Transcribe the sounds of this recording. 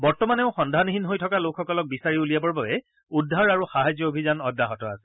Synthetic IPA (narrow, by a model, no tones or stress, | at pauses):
bɔɹtɔmanɛʊ̃xɔndʱaniɦinɦojtʰɔkalokʰxɔkɔlɔk̚bisaɹiulijabɔɹbabɛ | udʱːaɹaɹuxaɦazjɔobʱizanɔdːaɦɔtɔa̰sɛ̥